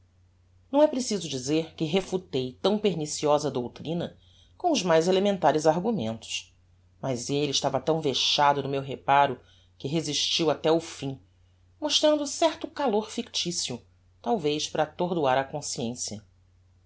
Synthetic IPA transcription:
nɐ̃w̃ɛpɾesizʊd͡ʒizeɾkɪɦefut̪ejt̪ɐ̃w̃peɾnisiɔzɐd̪owt̪ɾĩnɐ | kõw̃ʊzmajzelemẽnt̪aɾʊzaɾɡumẽnt̪ʊ̥ʃ | mɐzeliɪʃt̪avɐt̪ɐ̃w̃veʃad̪ʊnʊmewɦepaɾʊ | kɪɦeziʃt͡ʃiwat̪ɛʊfĩ | moʃt̪ɾɐ̃nd̪ʊsɛɾt̪ʊkaloɾfikt͡ʃisiʊ | t̪awvejʃpɾɐt̪oɾd̪uaɾɐkõsiẽsjɐ

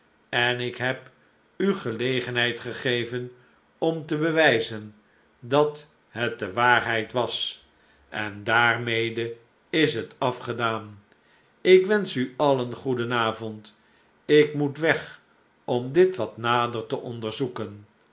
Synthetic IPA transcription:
ɛnɪkɦɛp | yχəlejχənɦɛjtχəχejvən | ɔmtəbəʋɛjzən | dɑt | ɦət̚dəʋaːɹɦɛjtʋɑs | ʔɛ̰ndaːrmejdə | ɪsɦətɑfχədaːn | ɪkʋɛnsyɑlənχudənaːvɔnt | ɪkmutʋɛχ | ɔmdɪtʋɑtnaːdərtəʔɔndəɹzukən

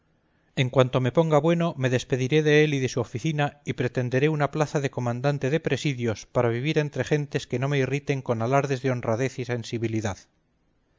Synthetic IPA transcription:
e̞ŋkwant̪o̞me̞po̞ŋɡaβwe̞no̞me̞ðe̞spe̞ðiɾe̞ðe̞eliðe̞suofiθinaipɾe̞t̪e̞nd̪e̞ɾe̞unaplaθaðe̞ko̞mãnd̪ant̪eðe̞pɾe̞siðjo̞spaɾaβiβiɾe̞nt̪ɾe̞χe̞nt̪e̞ske̞no̞me̞irit̪e̞ŋko̞nalaɾðe̞zðeo̞nraðe̞θise̞nsiβiliðað

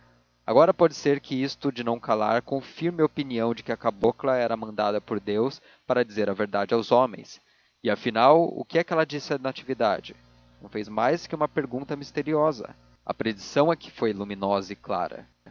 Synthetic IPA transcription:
a̰ɡɔɾɐpɔd͡ʒɪseɾkɪist̪ʊd͡ʒɪnɐ̃w̃kalaɾkõfiɾmɪopiniɐ̃w̃d͡ʒɪkɪɐkaboklɐɛɾɐmɐ̃nd̪a̰d̪ɐpoɾd̪ews | paɾɐd͡ʒizeɾɐveɾd̪ad͡ʒɪawzomḛ̃j̃s | ɪafinawʊ̰kɪɛkɪɛlɐd͡ʒisɪɐnat͡ʃivid̪a̰d͡ʒɪ | nɐ̃w̃fejzmajskɪũmɐpeɾɡũnt̪ɐmist̪eɾiɔzɐ̰ | ɐ̰pɾed͡ʒisɐ̃w̃ɛkɪ̥fojlumĩnɔzɐɪkla̰ɾɐ̰

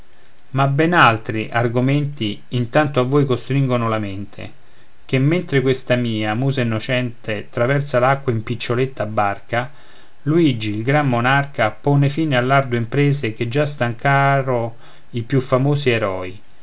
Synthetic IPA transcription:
mabɛnalt̪ɾiʔarɡomɛnt̪iːnt̪ant̪oavːojkost̪ɾiŋɡonʊlamɪnt̪ʰḛ | k̟emːent̪ɾɪkwest̪amiːamuːzainːot͡ʃɛnt̪ʰet̪ɾavɛrt̪salakːwaimpit͡ʃːolet̪ːabːarka | luid͡ʒiːlɡɾamːonarkapɔnefiːnealːard̪oimpɾeːzek̟ed͡ʒːast̪aŋkaɾo | ipjufːamoːsiɛɾɔːi

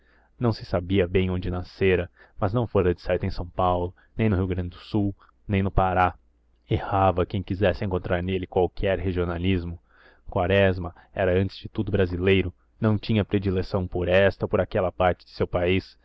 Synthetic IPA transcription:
nɐ̃w̃sɪ̥sabiɐbẽj̃õd͡ʒɪnaseɾɐ | mɐznɐ̃w̃foɾɐd͡ʒɪsait̪ẽsɐ̃w̃pawlʊ | nẽj̃nʊɦiwɡɾɐ̃nd͡ʒɪd̪ʊsuw | nẽj̃nʊpaɾa | ehavɐkẽj̃kizɛsɪẽŋkõnt̪ɾʔaɾnelɪkwawkʰɛɾheʒionalizmʊ | kwaɾɛzmɐ | ɛɾɐɐ̃nt͡ʃɪ̥z̥d͡ʒɪt̪ud̪ʊbɾazilejɾʊ | nɐ̃w̃t͡ʃĩɲɐpɾed͡ʒilesɐ̃w̃poɾɛst̪ɐpoɾakɛlɐpaɾt͡ʃɪ̥d͡ʒɪ̥sewpais

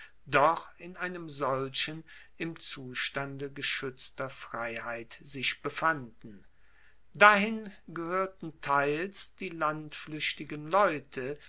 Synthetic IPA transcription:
d̥ɔχɪnʔaɪnəmzɔlʃən | ɪmt͡suːʃtandəɡəʃʏt͡stɐfʁ̥aɪhaɪtz̥ɪʃb̥əfandn̩ | dahɪnɡəhøːɐtn̩tʰaɪlsd̥iːlantflʏʃtɪɡənlɔʏtʰə

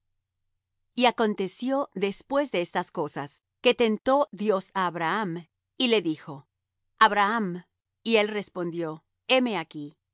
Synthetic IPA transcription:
iako̞nt̪e̞sjo̞ðe̞spwe̞zðeest̪asko̞sas | ke̞t̪e̞nt̪o̞ðjo̞saːβɾaam | ile̞ðixo̞ | aβɾaam | ie̞lre̞spo̞nd̪jo̞ | e̞me̞aki

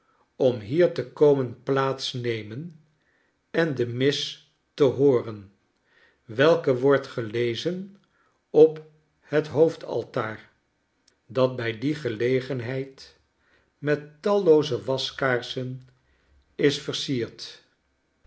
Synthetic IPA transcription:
ɔmɦiːɹtəkowmənplaːtsnejmən | ɛndəmɪs | təɦʊːrən | ʋɛlˠkəʋɔɹtχəlejzən | ɔp | hətɦowftʰɑ̰lˠtaːɹ | dɑt̚bɛjdiχəlejχənɦɛjt | mɛtːɑlˠowzəʋɑskaːɹsən | ɪsfəɹsiːɹt

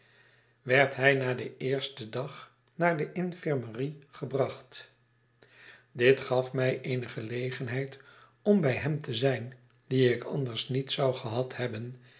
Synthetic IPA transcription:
ʋɛɹtɦɛjnaːdəɪːɹstədɑχ | naːɹdəʔɪnfɪɹməriχəbrɑχt | dɪtχɑfmɛjʔejnəχəlejχənɦɛjt | ɔmbɛjɦɛmtəzɛjn | diɪkʰɑ̰ndəɹsnitsɑwχəɦɑthɛbən

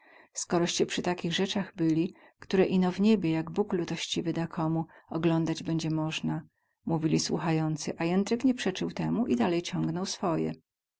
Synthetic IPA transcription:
skɔɾɔɕt͡ɕɛpʂɘt̪akʲiɣʐɛt͡ʂaɣbɘlʲi | kt̪uɾɛʔinɔvɲebʲjejaɡbuklut̪ɔɕt͡ɕivɘd̪akʰɔmuɔɡlɔnd̪ad͡ʑbɛɲd͡ʑɛmɔʐna | muvʲilʲiswṵxajɔnt̪sɨʔajɛnt̪ɾɘkɲɛpʂɛt͡ʂɘwt̪ɛmuʔid̪alɛjt͡ɕɔ̃ŋɡnɔwsfɔjɛ̰

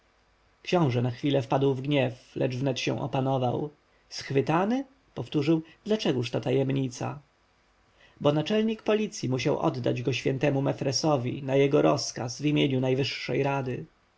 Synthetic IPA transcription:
kɕɔ̃w̃ʐɛnaxfʲilɛfpad̪wvɡɲɛflɛd͡ʐvnɛt̪ɕɛ̰̃w̃ʔɔ̰panɔvaw | sxfɘt̪anɘ | pɔft̪uʐɘwd̪̥lat͡ʂɛɡuʂt̪at̪ajɛmɲit̪sa̰ | bɔnat͡ʂɛlɲikpɔlʲit̪sʲjimuɕawʔɔ̰d̪ːa̰d͡ʑɡɔɕfʲjɛnt̪ɛmumɛfɾɛsɔvʲḭnajɛɡɔɾɔskasvʲimʲjeɲunajvɘʂːɛ̰jɾad̪ɘ

